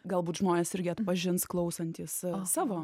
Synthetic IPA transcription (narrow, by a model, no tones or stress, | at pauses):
ɡɐlˠbuːt̪ʒmoːnʲeːsɪɾʲɡʲɪɐt̪pɐʒʲɪnsklˠɐʊsɐnʲt̪ʲiːssɑːʋoː